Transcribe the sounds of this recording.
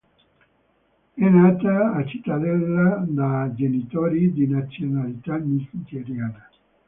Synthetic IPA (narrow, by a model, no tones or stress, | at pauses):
enat̪aat͡ʃit̪aðelad̪ad͡ʒenit̪oɾid̪inat͡sionalit̪amisd͡ʒeɾjana